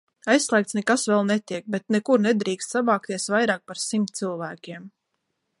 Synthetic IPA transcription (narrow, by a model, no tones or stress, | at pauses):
ajssːlˠɛːk̚t̪nɛkasvɛlˠnɛt̪iɛk̚bɛt̪nɛkuɾnɛd̪ɾiːkst̪sabaːk̚t̪iɛsvajɾaːk̚paɾsimt̪̚t̪silˠvæːkʲiɛm